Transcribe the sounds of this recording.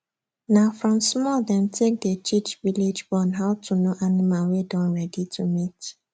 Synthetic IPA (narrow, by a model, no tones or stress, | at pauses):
nafɾɔmsmɔdɛm̩tʰek̚d̪et͡ʃit͡ʃviled͡ʒbɔ̃nɦaʊtunoʔanɪmalwedɔ̃nɾɛditʰumit